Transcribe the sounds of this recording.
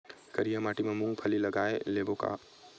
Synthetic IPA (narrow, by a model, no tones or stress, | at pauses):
kəɾijamaːʈimẽmũpʰəlilɐɡaːeleːboka̰